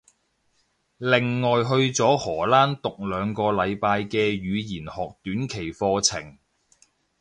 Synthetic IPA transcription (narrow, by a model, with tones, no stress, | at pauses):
lɪ˨ŋːɔː˨jɦɵ˧ɥt͡sɔː˨˥hɔː˨˩laː˥nt̪ʊ˨k̚lœː˨˧ŋkɔː˧lɐ˨˧jpaː˧jkɛː˧jyː˨˧jiː˨˩nhɔː˨k̚t̪yː˨˥nkʰe˨˩jfɔː˧t͡sʰɪ˨˩ŋ